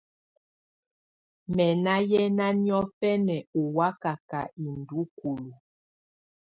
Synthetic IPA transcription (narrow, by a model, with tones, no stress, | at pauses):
mɛ˨na˦jɛ˦na˦njɔ˦fɛ˦nɛ˨u˨wa˦ka˨ka˨i˨ndu˦ku˨lu˨